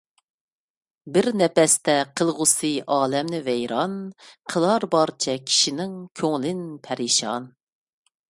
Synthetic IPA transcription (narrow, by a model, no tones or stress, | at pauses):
bɪɾnɛpɛst̪ɛqʰəlˠʁʊsɨʔɑːlɛmnɪvɛjɾɑnqʰəlˠɑɾbɑɾt͡ʃʰɛkʲʰi̥ʃinɪŋkʲʰøŋlɪnpʰɛɾiʃɑn